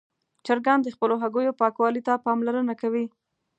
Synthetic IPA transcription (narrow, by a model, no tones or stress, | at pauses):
t͡ʃaɾɡand̪əxpəloɦaɡojopɑkwɑlit̪apɑmlaɾənakawi